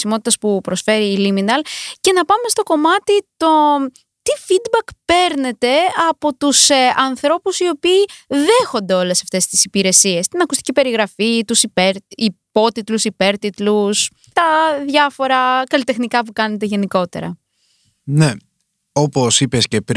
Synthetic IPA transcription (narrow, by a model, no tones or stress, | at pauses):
simo̞t̪i̥t̪ɐspupɾo̞sfe̞ɾiːliminɐlce̞nɐpɐme̞st̪oko̞mɐt̪it̪o̞ | t̪ifid̪bɐkpe̞ɾne̞t̪e̞ɐpo̞t̪usɐnθɾo̞pusio̞piːðe̞xo̞nd̪e̞o̞le̞sɐft̪e̞st̪i̥sipiɾe̞sie̞st̪inɐkust̪i̥cipe̞ɾiɣɾɐfit̪usipeɾipo̞t̪it̪lusipe̞ɾt̪it̪lus | t̪ɐðʝɐfo̞ɾɐkɐlit̪exnikɐp̬ukɐne̞t̪e̞ʝe̞niko̞t̪ḛɾɐ̰ | ne | oposipe̞scepɾ